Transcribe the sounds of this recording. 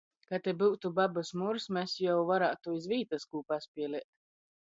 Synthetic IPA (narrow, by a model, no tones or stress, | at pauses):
kat̪ebuwt̪ubabasmuɾsmʲɛsjawvaɾaːt̪uizviːt̪askuːpaspʲiɛliɛt̪